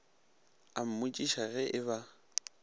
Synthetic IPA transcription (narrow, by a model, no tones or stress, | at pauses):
am̩mut͡ʃʼiʃaɣɛʔɪβa